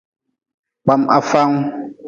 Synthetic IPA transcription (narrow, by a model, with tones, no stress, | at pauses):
k͡pa˨ma̰˨fa˦ŋ˦